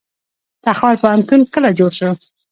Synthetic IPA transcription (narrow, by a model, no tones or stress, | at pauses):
t̪axwalpəamkunkəlad͡ʒoɽʃə